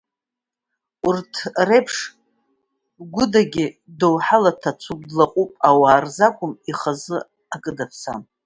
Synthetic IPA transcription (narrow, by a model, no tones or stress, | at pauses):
urtʰrepʰʂ | ɡʷʊdaɡʲɪdowħalatʰat͡sʷʰub̚ʼdlaqʷʼupʼawaːrzakʷʰʼʊmiχazɨ | akʼɨdapʰsam